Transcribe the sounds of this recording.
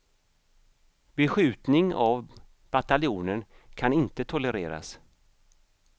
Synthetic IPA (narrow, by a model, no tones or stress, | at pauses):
bɛɧʉ̟ːt̪nɪŋav | b̥at̪alɪuːnənkʰanɪnt̪ət̪ʰɔləɾḛːɾa̰s